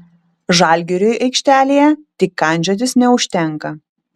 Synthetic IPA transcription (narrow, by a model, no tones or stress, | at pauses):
ʒɑˑlʲɡʲɛɾʲojʔɛɪkʃʲt̪ʲæːlʲeːjɛt̪ʲɪkːɐˑnʲd͡ʒʲoːt̪ʲɪsnʲɛʊʃʲt̪ʲɛŋˑkɐ